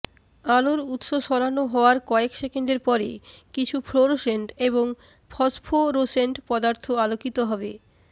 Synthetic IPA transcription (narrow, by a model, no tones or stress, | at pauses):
aloɾut̪ʃoʃɔɾanoɦɔoaɾkɔekʃekendeɾpɔɾḛkit͡ɕʰufʰɾoɾoʃeɳʈeβoŋ | pʰɔspʰoɾoseɳʈpɔd̪aɾt̪ʰoalokit̪oɦɔbe